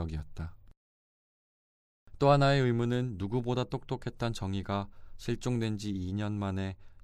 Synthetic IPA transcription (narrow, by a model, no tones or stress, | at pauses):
ʌɡiʌt̚t͈a | t͈oɦanae̞ɯɭmunɯnːuɡubodat͈ok̚t͈okʰe̞t̚t͈ant͡ɕʌŋiɡaɕʰiɭt͡ɕ͈oŋdwe̞nd͡ʑiːɲʌnmane̞